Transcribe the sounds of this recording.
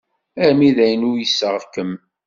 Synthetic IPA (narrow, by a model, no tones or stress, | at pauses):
æɾmiðæjənujəsːəʁkəm